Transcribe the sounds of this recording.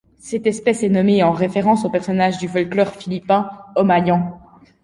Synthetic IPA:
sɛt̪ɛspɛsɛnɔmeɑ̃ʁefeʁɑ̃sopɛʁsɔnaʒd̪yfɔlklœʁfilipɛ̃ɔmajɑ̃

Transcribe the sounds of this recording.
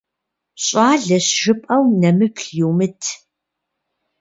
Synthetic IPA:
ɕʼɑːɮɐɕʒɨpʼɐwnɐmɨpʰɬjuwmɨtʰ

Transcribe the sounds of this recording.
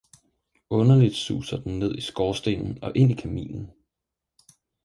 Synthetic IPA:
ɔ̽nɐlid̥sṵːsɐd̥en̩ne̝ð̞̰ˠisɡ̥ɒːsd̥e̝̰nn̩ɒ̽ʔe̝n̰ikʰæmḭːln̩

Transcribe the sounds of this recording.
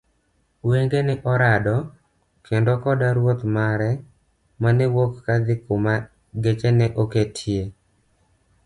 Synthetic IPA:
weŋɡenɛʔɔɾadɔ | kʰendokɔdaɾwot̪maɾɛ | manɛwokːad̪ɪkʊma | ɡet͡ʃɛnɛʔoketʰje

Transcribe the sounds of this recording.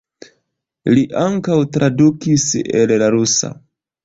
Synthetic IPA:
liʔaŋkawtɾʔadukisellaɾusa̰

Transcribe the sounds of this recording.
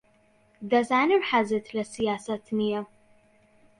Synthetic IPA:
d̪ɐzaːnɨɾħazɨt̪ʰlɐsijaːsɐt̪ʰnɨjɐ

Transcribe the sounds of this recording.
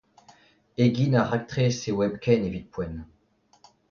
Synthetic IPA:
eɡʲinaʁak̚t̪χesewɛbkʲɛnevit̪̚pwɛn

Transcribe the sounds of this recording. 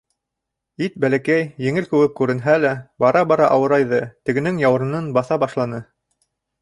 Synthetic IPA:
it̪̚bælækæjjɘ̆ŋɘlkʉwɘp̚kʉɾɘ̆nɦælæbɑɾɑbɑɾɑʔɑwɤ̆ɾɑjðɤt̪ɘ̆ɡɘ̆nɘŋjɑw̆ɾɤ̆nɤnbɑθɑbɑʃlˠɑnɤ

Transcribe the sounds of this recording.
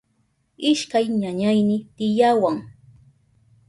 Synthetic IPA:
ɪʃkajɲaɲajnɪt̪ɪjawaŋ

